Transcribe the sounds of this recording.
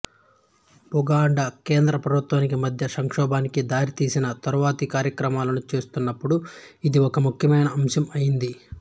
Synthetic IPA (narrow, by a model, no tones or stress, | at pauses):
buɡaːɳɖɐkeːnd̪ɾɐpɾɐbʱut̪waːnikimɐd̪ʱjɐsɐŋkʂɔːbaːnikid̪aːɾit̪iːsinɐt̪ɐɾuʋaːt̪ikaːɾjɐkɾɐmaːlɐnut͡ʃe̞ːst̪unːɐpːuɽuid̪iɔkɐmukʰjɐmɐjnɐːmsɐmɐjind̪i